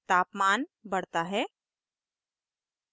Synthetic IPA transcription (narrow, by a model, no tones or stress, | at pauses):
t̪aːpmaːnbɐɽ̤t̪aɦɛː